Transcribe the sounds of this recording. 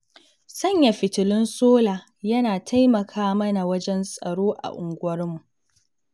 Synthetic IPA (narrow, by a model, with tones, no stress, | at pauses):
sɐ˦˨ɲja˨ɸɪ˨tɪ˨lɪ˦nsoː˦laː˨ | jɐ˦naː˨tʰa˦jmɐ˨kʰaː˦mɐ˦na˨wɐ˦d͡ʒɛ˦nsʼɐ˨ɽoː˦ʔa̰˨ʔʊ˨ŋɡʷʊ˦wɐ˦rmu˨ʔ